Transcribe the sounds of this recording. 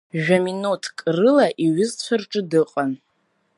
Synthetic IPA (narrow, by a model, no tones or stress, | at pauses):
ʒᶣaminutʰkʼrɨlaʔiɥɪzt͡ɕʷʰarʈ͡ʂʼɨdɨqʼan